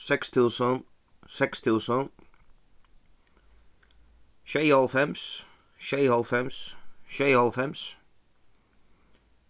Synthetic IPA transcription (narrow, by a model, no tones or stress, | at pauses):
sɛkst̪ʰɪlsɔn | sɛkst̪ʰɪlsɔn | ʃɛɪɔlfɛms | ʃɛɪhɔlˠfɛmsʃɛɪɔlˠfɛms